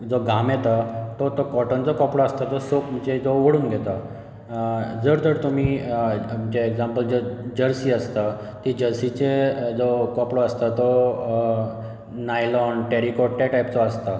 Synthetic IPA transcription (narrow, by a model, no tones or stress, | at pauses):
d͡zoɡʱamjɛt̪at̪ɔt̪okɔʈənt͡sɔkɔpɽɔəst̪at̪ɔsokd͡ʑed͡zoʋəɽuːnɡʱɛt̪a | d͡zəɾd͡z̪əɾt̪um̤iː | d͡ʑeeɡd͡zãmpəld͡zod͡ʑəɾsiːəst̪a | t̪id͡ʑəɾsit͡ɕed͡zokɔpɽoəst̪at̪ɔ | najlɔnʈɛɾikɔʈ̚ʈaʈajp̚t͡sɔəst̪a